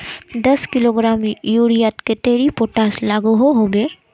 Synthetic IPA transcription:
d̪ɐskɪloɡɾaːmjuːɾijat̪ket̪eːɾipoʈaːslaːɡuɦoɦoːɡeː

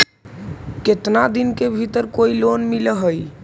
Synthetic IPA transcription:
ket̪nad̪inkebʱit̪əɾkoilonmiləɦəj

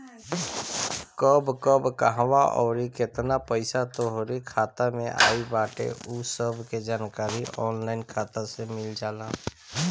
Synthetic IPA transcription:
kɔbkəbkaɦʋaʔɔ̰ːɾiket̪napəɪsat̪oɦoɾikʰaːt̪amḛ̃ʔa̰ːibaːʈḛʔusəbʱked͡ʒaːnkaːɾiʔɔːnlaːɪnkʰaːt̪asemɪld͡ʒaːlaː

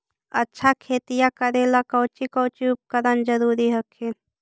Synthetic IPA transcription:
ɐtːʃʰakʰeːt̪ijakəɾelakɔwt͡ʃikɔwt͡ʃiʊp̚kəɾənd͡ʒəɾuːɾiɦəkʰe

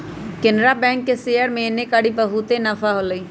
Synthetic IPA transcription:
kɪnɾaːbɛ̃ːŋkːeseːəɾmẽːnẽːkaːɽiːbəɦut̪enəfʰaːɦoːləiː

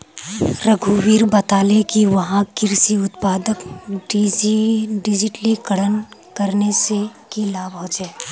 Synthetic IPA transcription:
ɾɐɡʱuʋiːɾbɐt̪aːlekiʋɐɦãkɪɾsiʊt̪paːd̪əkɖ | ɖɪd͡ʒɪʈlikɐɽənkɐɾnesekilaːbɦɔ̃t͡ʃɛː

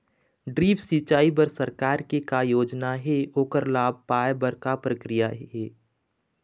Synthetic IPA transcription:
ɖɾiːpsit͡ʃaːibəɾsəɾkaːɾkekajoːd͡ʒnaɦɛoːkəɾlaːb̚ʱpaːjbəɾkapɾəkɾɪjaɛː

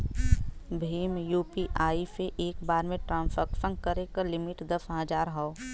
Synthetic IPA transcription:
bʱiːmjuːpiʔaːipeʔeːkbaːɾmẽʈɾãːfəkfə̃ŋɡkəɾekəlɪmɪʈd̪ɐfʰãːd͡ʒaːɾɦɔː

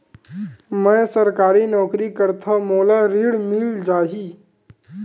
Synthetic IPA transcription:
mɛ̃səɾkaːɾinɔːkɾikəɾt̪ʰamoːlaɾiːɽmɪld͡ʒaːɦiː

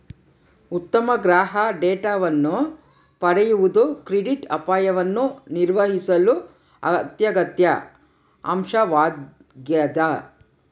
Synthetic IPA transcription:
ut̪ːɐmɐɡɾaːɦɐɖeːʈaːʋɐnːu | pɐɽɛjuʋud̪ukɾiɖiʈɐpaːjɐʋɐnːuniɾʋɐɦisɐlu | ɐ̰t̪jɐɡɐt̪jɐ | ɐ̰mʂɐʋaː | ɡjɐd̪ɐ

